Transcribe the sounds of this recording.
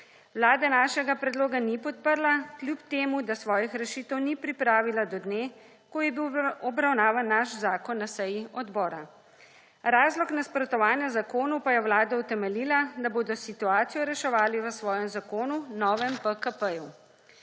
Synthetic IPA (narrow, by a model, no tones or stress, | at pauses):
wlaːd̪ɛnaːʃɛɡapɾɛd̪loːɡanipɔt̪̚pəɾlaklʲjupt̪eːmud̪asʋɔːjixɾɛʃiːt̪ɛwnipɾipɾaːʋilad̪ɔd̪neː | kɔjɛbiwɔbɾawnaːʋanːaʃzaːkɔnːasɛjiɔd̪bɔːɾa | ɾaːzlɔknaspɾɔt̪ɔʋaːnjazakoːnupajɛwlaːd̪aut̪ɛmɛliːlad̪aboːd̪ɔsit̪uaːt̪sijɔɾɛʃɛʋaːliʋəsʋɔːjɛmzakoːnunɔːʋɛmpəkəpəju